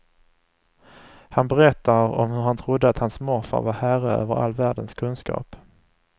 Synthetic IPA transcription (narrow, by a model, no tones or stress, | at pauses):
hanbɛɾɛt̪ːaɾɔ̰mhɵɾhant̪ʰɾʊd̪ːəat̪hansmɔɾfa̰ɾvahæɾəø̰ːvəɾa̰lːvæːɖənskʰɵnskɑ̰ːp